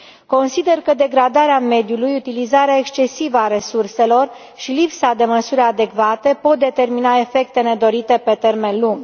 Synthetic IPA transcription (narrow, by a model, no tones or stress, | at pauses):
ko̞nsid̪e̞rkəd̪e̞ɡɾad̪aɾeame̞d̪julujut̪ilizaɾeae̞kst͡ʃe̞sivəaɾe̞surse̞lo̞r | ʃilipsad̪e̞məsuɾʲad̪e̞kvat̪e̞po̞t̪̚d̪e̞t̪e̞rminae̞fe̞k̚t̪e̞ne̞d̪o̞ɾit̪e̞pe̞t̪e̞rme̞nluŋɡ